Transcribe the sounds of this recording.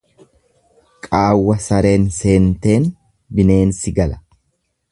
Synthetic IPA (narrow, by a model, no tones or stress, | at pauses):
kʼaːwːɐsɐɾe̞ːnse̞ːnt̪e̞ːn | bɪne̞ːnsɪɡɐlɐ̥